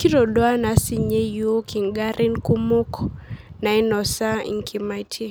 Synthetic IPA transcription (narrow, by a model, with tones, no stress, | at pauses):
ki˦ɾo˨dwa˦na˨˦si˨ɲe˦jo˦ki˨ŋɡa˦ɾʔɪ˦nku˦mu˦kna˨ɪ˦nɔ˨sa˦ḭ˨ŋkʰi˨ma˨˦tʰe˦